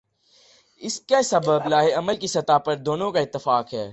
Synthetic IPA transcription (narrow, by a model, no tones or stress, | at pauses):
ɪskesɐbəblaːɦeɐməlkisɐt̪apɐɾd̪oːnõkaɪt̪ːɪfaːkɦɛː